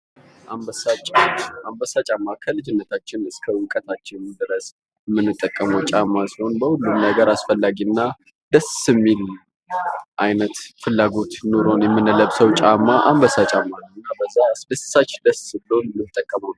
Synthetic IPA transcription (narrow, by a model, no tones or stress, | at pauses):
ʔaat͡ʃʼambəsat͡ʃʼamːakʰəlɨd͡ʒɪnːət̪ʰat͡ʃːɪnɨskʰəwʊkʼət̪ʰat͡ʃːɪnd̪ɨɾəs | ɛmːɨnːɨt̪ʼːəkʼːəməwt͡ʃʼamːasiho̞nbəhulːunːaɡəɾasfəlːaɡiɨnːa | d̪əsɨmːil | ʔajnət̪fɨlːaɡo̞t̪noɾo̞njɛmːɨnːɨləβsəwt͡ʃʼamːaʔa̰mbəsat͡ʃʼamːanːəɨnːabəzːasd̪əssat͡ʃːd̪əsɨblonmɨt̪ʼːəkʼːəməwn